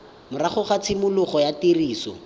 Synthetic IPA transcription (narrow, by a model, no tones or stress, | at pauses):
mʊraχʊχat͡sʰɪmʊlʊχɔjatiriːsɔ̰